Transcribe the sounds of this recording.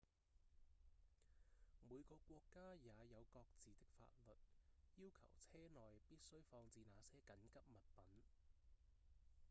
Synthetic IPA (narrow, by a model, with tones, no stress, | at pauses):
muː˨˧jkɔː˧kʷɔː˧kːaː˥jaː˨˧jɐ˨˧wkɔː˧k̚t͡siː˨t̪ɪ˥k̚fa̰ː˧t̚lɵ˨t̚jiː˥wkʰɐ̰˨˩wt͡sʰɛː˥nɔː˨jpiː˥t̚sɵ˥ɥfɔː˧ŋt͡siː˧naː˨˧sɛː˥kɐ˨˥nkɐ˥p̚mɐ˨t̚pɐ˨˥n